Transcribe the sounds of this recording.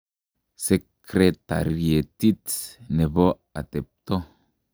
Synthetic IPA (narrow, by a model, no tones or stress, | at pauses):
sekɾet̪a̰ɾiet̪it̪snebo | at̪ep̚t̪o